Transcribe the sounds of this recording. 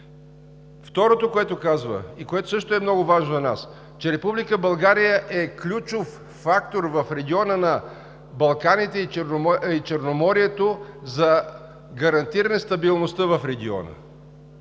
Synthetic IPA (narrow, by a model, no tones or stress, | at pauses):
ft̪ɔɾot̪okoɛt̪okazvə̰ikoɛt̪o̥sɤʃt̪oɛmnɔɡʊvaʒnozɐnas | t͡ʃɛɾɛpublikəbɐlˠɡaɾijəʔɛklʲut͡ʃofː | akt̪oɾvɐfɾɛɡʲiɔnənɐ | bɐlˠkanit̪ɛit͡ʃɛɾnoit͡ʃɛɾnomɔɾiɛt̪ozɐ | ɡɐɾɐnt̪iɾɐnɛst̪ɐbilˠnost̪əvɐfɾɛɡʲiɔ̰nə̰